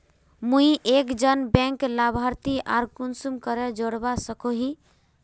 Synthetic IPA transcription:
mũiʔekd͡ʒənbɛ̃ŋklabʱaɾt̪iʔaɾkunsumkəɾɛd͡ʒoɽbasəkoɦi

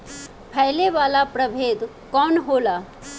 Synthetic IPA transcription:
pʰɛɦleʋaːlapɾɐbʱeːd̪ | kɔːnɦoːlaː

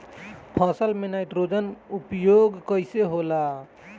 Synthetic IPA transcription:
pʰɔsəlmenajʈɾod͡ʒənupjoɡkəjseɦola

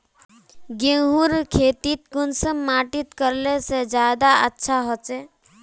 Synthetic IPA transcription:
ɡẽːɦuɾkʰeːt̪it̪̚ɡʊnsəmːaːʈit̪kəɾlesed͡ʒjaːd̪aətːʃʰaɦot͡ʃe

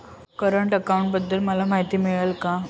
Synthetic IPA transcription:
kəɾəɳʈəkauɳʈbəd̪ːəlməlamaɦit̪iːmiɭəlka

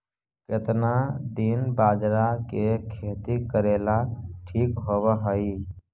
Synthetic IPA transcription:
ket̪nad̪inbad͡ʒɾakekʰet̪ikəɾelaʈʰikɦobəɦəji

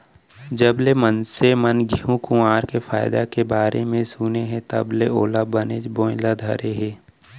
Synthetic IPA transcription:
d͡ʒəblemənsemənɡʱiũkũaːɾkefaːɪd̪akebaːɾemẽsuːneɦɛ̃t̪ə̰bleoːlabəneːd͡ʒbõːɪ̃lad̪ʱɐ̰ɾeɦeː

